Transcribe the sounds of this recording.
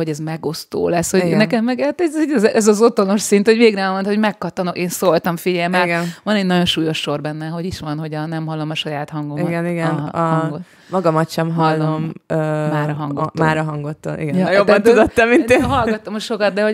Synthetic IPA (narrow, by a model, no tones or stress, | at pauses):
o̞ɟɛzmɛɡo̞st̪o̰ːlɛshoiɡnɛnkɛmːɛɡhat̪ɛzidɛzʔɛzɒzo̞t̪o̞no̞ʃsint̪ho̞ɟveːɡnɛmont̪homɛkːɒt̪ːɒnokeːnsolt̪ɒɱfiɟɛlmɛːɡɛnʋɒnɛɟnɒɟonʃuːjo̞ʃːo̞rbɛnːɛɦoɟiʃʋɒnɦo̞ɟɒnɛmɦɒlːo̞mɒʃɒjaːt̪hɒŋɡomiɡɛniɡɛnɒŋɡo | mɒɡɒmɒt̪ʃɛmɦɒlːomømaːɾɒɦɒŋɡotːmaːɾɒɦɒŋɡot̪ːonʔḭɡɛnjjob̪ːɒnt̪ud̪ot̪ːɛmmineːnɦɒlɒt̪ːomɒʃo̞kɒt̪̚d̪ɛɦo̞